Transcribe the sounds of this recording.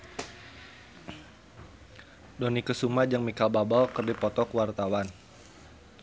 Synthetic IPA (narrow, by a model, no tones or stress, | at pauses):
dɔnikəsumad͡ʒaŋmikalbabalkərdipɔt̪ɔkwart̪awan